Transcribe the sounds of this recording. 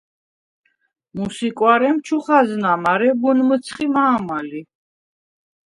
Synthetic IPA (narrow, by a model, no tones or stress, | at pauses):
musikʼwaɾɛmt͡ʃʰuχaznamaɾɛbunmət̪sʰχimaːmali